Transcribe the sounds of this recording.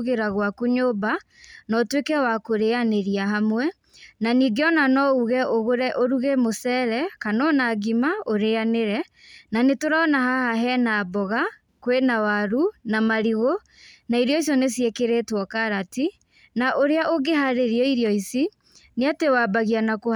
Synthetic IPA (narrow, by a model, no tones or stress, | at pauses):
ɣeɾaɣwakuɲoːba | nɔtwekɛwakoɾeaneɾiaɦamwɛ | naniːɡeɔnanɔuɣɛʔoɣoɾɛʔoɾuɣemosɛɾɛkanɔnaːɡimaoɾeaneɾɛ | nanetoɾaɔnahahaɦɛnabɔɣa | kwenawaɾunamaɾiɣo | naiɾiɔis̬ɔnesiekeɾetwɔkaɾati | naʔoɾeaʔoɡeɦaɾeɾiɔiɾjɔisi | neatewabaɣianako